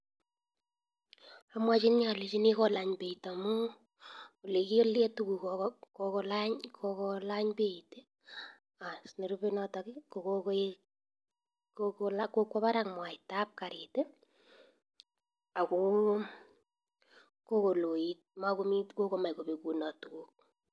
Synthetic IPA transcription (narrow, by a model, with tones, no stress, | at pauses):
amwa˦t͡ʃi˦nɲa˨le˨t͡ʃi˦ni˦kɔ˦la˨ɲpe˨ita˨mu˦ | o˨le˨ki˦o˦lje˦tuku˨kɔkokɔ˧laɲkʰokɔlaɲpeite˦ | a˨sne˨ɾu˦pe˦nɔ˦ta˨kɪko˨kok | kokola˦kokwa˦pa˦ɾaŋmwa˨ɪta˦p̚kaɾete˦ | a˨ko˦ | ko˦ko˨lo˨jit̚ma˦ko˦mi˦tko˦ko˨ma˨jko˨pe˨ku˨nɔ˨tuku˨k̚